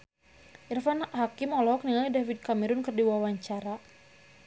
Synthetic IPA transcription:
ʔirfanhakimɔlɔk̚niŋalidafid̚kamɛɾʊnkɨrdiwawaɲt͡ʃaɾa

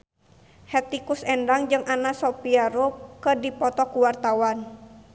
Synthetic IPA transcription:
hɛt̪ikusɛndaŋd͡ʒɨŋʔanasɔpiaɾokədipɔt̪ɔkuwart̪awan

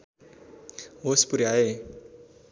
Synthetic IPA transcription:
ɦospuɾiae

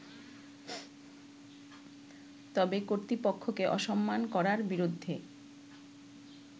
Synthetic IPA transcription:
t̪ɔbekoɾt̪ɾipokʰːokeʔɔʃɔmːankɔɾaɾbiɾod̪ʱːe

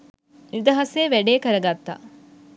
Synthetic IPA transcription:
id̪ɐɦɐseːʋeɖeːkɐɾɐɡɐt̪ːa̰

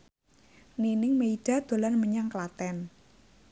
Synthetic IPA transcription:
ninɪŋmeiɖ̥a̤d̪̥o̤larməɲaŋklat̪ɛn

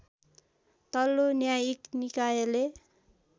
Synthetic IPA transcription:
t̪ʌlːonjajiknikajele

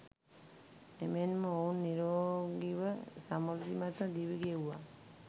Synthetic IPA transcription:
emenməownːiɾoɡiʋəsamɔld̪imat̪əd̪iʋiɡewʋa

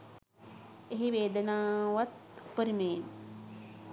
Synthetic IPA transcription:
eɦiʋeːd̪ənaːʋat̪pəɾimen

